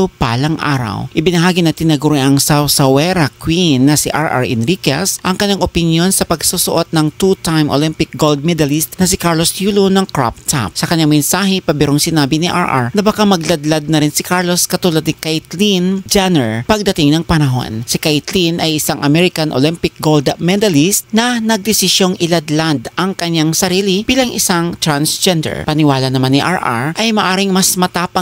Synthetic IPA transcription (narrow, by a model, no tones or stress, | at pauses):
opaːlɐŋʔa̰ːɾɐ̰wʔɪbɪnɐɦaːɡɪnɐt̪ɪnɐɡʊɾɛʔɐŋsawsɐwɛɾɐkwinːɐsɪʔaɹʔa̰ɹʔɛnɾikɐ̰sʔɐŋkɐɲːaŋʔopɪnjo̞nsɐpɐɡsusʊʔot̪̚nɐŋt̪ut̪ajmʔo̰limpɪk̚ɡold̪̚mɛd̪ɐlist̪̚nɐsɪkaɹlosjuːlunɐŋkɹa̰p̚t̪ʰa̰p̚sɐkɐɲaŋmɛnsaːɦɛpɐbɛɾoŋsɪnaːbɪnɪʔaɹʔa̰ɹnɐbɐkamɐɡlɐd̪lɐd̪̚nɐɾɪnsɪkaɹloskɐt̪ulɐd̪nɪkajt̪lind͡ʒanɛɹpɐɡ̚d̪ɐt̪ɪŋnɐŋpɐnɐɦo̞̰nsɪkajt̪linʔɐjʔɪsaŋʔɐmɛɾɪkɐnʔo̰limpɪk̚ɡold̪mɛd̪ɐlist̪̚nɐnɐɡ̚d̪ɪsɪʃjo̞ŋɪlɐd̪lad̪ʔɐŋkɐɲːaŋsɐɾiːlɪb̥iːlɐŋʔɪ̰saŋt̪ɾansd͡ʒɛnd̪ɛ̰ɹpɐnɪwaːlɐnɐmanːɪʔa̰ɹʔa̰ɹʔɐjmɐʔaːɾɪŋmɐsmɐt̪apɐ